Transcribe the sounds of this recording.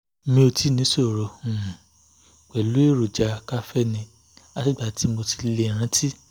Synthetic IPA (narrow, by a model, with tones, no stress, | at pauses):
mĩ˧o˧ti˦nĩ˨˦so˦˨ɾɔ˧ũ˨ | k͡pɛ˨lu˨˦e˦˨ɾo˨d͡ʒa˧ka˦fɛ˦nĩ˧ | a˦ti˦˨ɡ͡ba˧˨ti˨˦mo˧ti̥˧le˧˨ɾ̃ã˦ti˦